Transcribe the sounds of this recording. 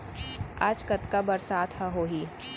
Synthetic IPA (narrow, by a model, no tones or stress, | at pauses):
aːd͡ʒkɐt̪kabɐɾsaːt̪ʰhɛɦoːɦiː